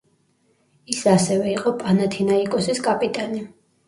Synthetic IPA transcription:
isasɛvɛiqʼɔpʼanat̪ʰinaikʼɔsiskʼapʼit̪ʼani

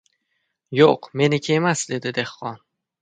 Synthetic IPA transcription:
joqme̞nɪkʲʰːemasd̪e̞d̪ɪd̪e̞hːɒn

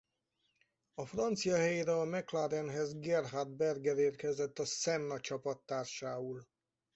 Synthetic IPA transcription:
ɒfrɒnt̪sijɒhɛjeːɾɛɒmɛklaːɾɛnɦɛzɡɛrɦard̪̚bɛrɡɛɾeːrkɛzɛt̪ːɒsɛmnɒt͡ʃɒpɒt̪ːaːrʃaːul

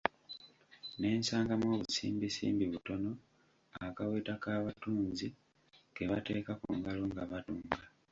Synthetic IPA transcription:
ne̞ːnsaːŋɡamo̞ːβusḭːmbisḭːmbiβuto̞no̞ | akaweːtakaːβatuːnzi | ɡe̞βate̞ːkakṵŋɡaloŋɡaβatuːŋɡa

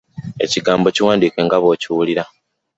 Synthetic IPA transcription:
e̞̰ciɡaːmbo̞ciwaːndiːke̞ŋɡaβo̞ːciwuliɾa

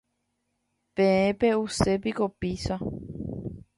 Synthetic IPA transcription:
pẽẽpe̞usep̬ikopisa

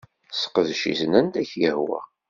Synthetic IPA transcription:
sqəðʃḭsənænd̪æçjəhwæ̰

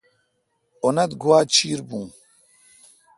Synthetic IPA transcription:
onɐt̪ɡʱuwaːt͡ɕʰiːɾbũː

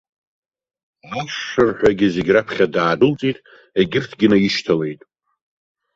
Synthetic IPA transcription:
aʂɨrħʷᶣaɡʲɪze̞ɡʲrapʰχʲadaːdɨlt͡sʼitʼ | eɡʲɪrtʰɡʲɪnajɪʃtʰale̞jtʼ

